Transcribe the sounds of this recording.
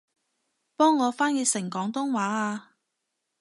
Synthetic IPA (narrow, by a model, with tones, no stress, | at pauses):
pɔː˥ŋːɔː˨˧faː˥njeː˨˧˥sɪ˨˩ŋkɔː˨˥ŋt̪ʊ˥ŋwaː˨˥aː˧